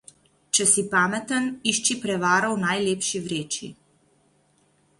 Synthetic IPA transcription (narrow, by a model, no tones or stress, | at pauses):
t͡ʃɛsipaːmɛt̪əniʃt͡ʃipɾɛʋaːɾɔwnajleːpʃiʋɾeːt͡ʃḭ